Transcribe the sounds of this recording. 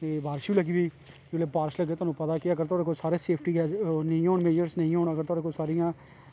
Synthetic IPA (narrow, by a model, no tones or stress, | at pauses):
ebʱaːɾʃilɐɡibʱi | d͡ʒolebaːɾʃləɡeːt̪onũpɐd̪akijaɐɡəɾt̪oːɾekosaːɾeseːpʰʈikːnɐĩoːnmeːd͡ʒəɾsnɐɦĩɦoːɽ̃aɐɡəɾt̪oːɾekosaːɾijãː